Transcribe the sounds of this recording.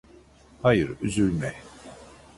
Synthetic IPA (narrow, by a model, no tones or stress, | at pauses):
hajɯɾyzyɾmɛ